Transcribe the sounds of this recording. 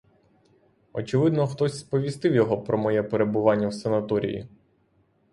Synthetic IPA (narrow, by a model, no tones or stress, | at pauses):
ɔt͡ʃɪʋɪd̪nɔxt̪ɔsʲspɔʋʲist̪ɪwjɔɦɔpɾɔmɔjɛpeɾe̞bʊʋɑnʲːɐwsenɐt̪ɔɾʲḭjḭ